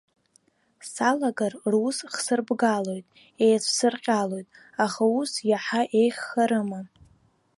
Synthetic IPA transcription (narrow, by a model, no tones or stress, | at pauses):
salaɡarrusχsɨrbɡalo̞jtʼ | ejt͡sʷʰsɨrqʲʼalo̞jtʼ | aχausjaħaʔe̞jχːaɾɨma